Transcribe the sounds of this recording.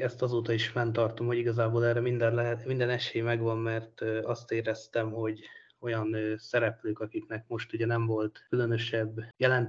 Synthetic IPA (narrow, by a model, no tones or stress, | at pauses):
ɛst̪ɒzoːt̪ɒiʃfɛnt̪ɒrt̪o̞mhoɟiɡɒzaːboːlɛːrɛmind̪ɛnmind̪ɛnɛʃeːjmɛɡʋɒmmɛrt̪ɒst̪eːɾɛst̪ɛmho̞ɟ | o̞jɒnsɛɾɛpløːkɒkiknɛkmo̞ʃt̪uɟɛnɛɱvo̞lt̪kylø̞nø̞ʃɛbːjɛlɛnt̪